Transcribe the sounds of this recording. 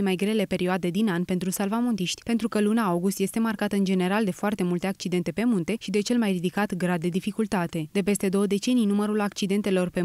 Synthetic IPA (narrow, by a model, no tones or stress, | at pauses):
emajɡɾe̞le̞pe̞ɾioad̪e̞d̪inanpe̞nt̪ɾusalvamo̞nt̪iʃt̪ʲpe̞nt̪ɾukəlunaawɡust̪je̞st̪e̞markat̪əɨnd͡ʒe̞ne̞ɾald̪e̞foart̪e̞mult̪e̞ak̚t͡ʃid̪e̞nt̪e̞pe̞munt̪e̞ʃid̪e̞t͡ʃe̞lmajrid̪ikat̪ɡɾad̪̚ːe̞d̪ifikult̪at̪e̞d̪̥e̞pe̞st̪e̞d̪o̞wəd̪e̞t͡ʃe̞nijnuməɾulakt͡ʃid̪e̞nt̪e̞lo̞rpe̞